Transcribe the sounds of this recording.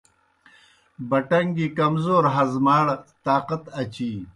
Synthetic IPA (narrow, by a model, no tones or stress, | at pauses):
bɐʈɐŋɡikɐmzoːɾɦɐzmaːɽt̪aːqɐt̪ɐt͡ɕi